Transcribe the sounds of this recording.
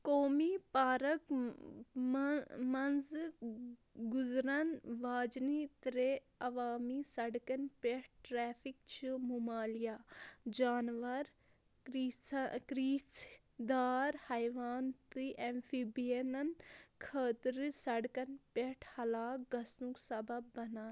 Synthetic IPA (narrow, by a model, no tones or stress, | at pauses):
koːmipaːɾɐk | mɐnz | ɡʊzɾɐnʋaːd͡ʒniːt̪ɾe | ɐʋaːmiːsɐɽkɐnpeʈ̚ʰʈɾɛːfʰikt͡ʃʰimumaːlijaːd͡ʒaːnʋɐɾ | ikɾiːt͡s | d̪aːɾhɐjʋaːnt̪ɨʔempʰibijenɐnkʰəːt̪ɾsɐɽkɐnpeʈʰhɐlaːkɡɐsnuksɐbɐbːɐnaːn